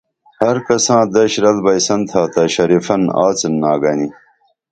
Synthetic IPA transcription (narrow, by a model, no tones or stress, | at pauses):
hɐɾkɐsãːd̪ɐɕɾɐlbɐjsɐnt̪ʰaːt̪ɐɕɐɾifɐnaːt͡sɐnːaːɡɐni